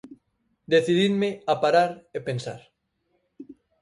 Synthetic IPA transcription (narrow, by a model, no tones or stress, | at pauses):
d̪eθiðiðmeapaɾaɾepẽnsa̰ɾ